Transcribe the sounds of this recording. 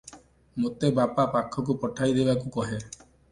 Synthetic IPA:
mot̪ebapapakʰɔk̬upɔʈʰajd̪ebakukɔɦe

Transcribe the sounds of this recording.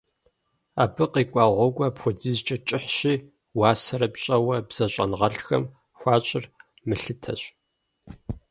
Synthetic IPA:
aːbɨqiːkʷʼɑːʁʷɔɡʷʼɔpxʷɔd͡ziːzt͡ʃʼɐt͡ʃʼɪħɕiː | waːsɐɾɐpɕʼɐwɐbz̥ɐɕʼɐnʁɐɬxɐ̰m | xʷɑːɕʼɪr | mɨɬɨtʰɐ̰ɕʷʼ

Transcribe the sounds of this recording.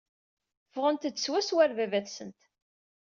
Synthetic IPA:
fʁənt̪ːswæswæɾvævæθsənt̪

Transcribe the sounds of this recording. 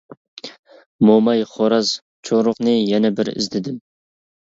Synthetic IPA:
momɑjχoɾɑz | t͡ʃʰoɾʊqnɨjɛnɛbɪɾɪ̰zd̪ɪd̪ɪm

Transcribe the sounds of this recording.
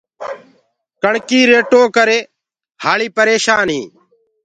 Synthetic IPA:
kəɳkiːɾeːʈoːkəɾeː | haːɭiːpəɾeːʃaːnɦiː

